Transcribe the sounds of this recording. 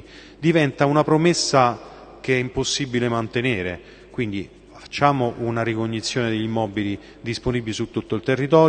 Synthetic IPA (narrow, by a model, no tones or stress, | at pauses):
d̪ivɛnt̪aunapɾomesːa | keɛimposːibilemant̪eneːɾḛ | kwind̪i | ffḁt͡ʃːaːmoʔunaɾikoɲːit̪sːjoːned̪eʎːimɔːbili | d̪isponibilisut̪ːut̪ːoilt̪erːit̪ɔː